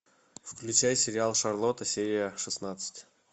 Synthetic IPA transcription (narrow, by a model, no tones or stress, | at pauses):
fklʲʉt͡ɕæjsʲɪɾʲɪalˠʂɐrlˠot̪əsʲeɾʲɪjəʂɨsnat̪sɨ̥tʲ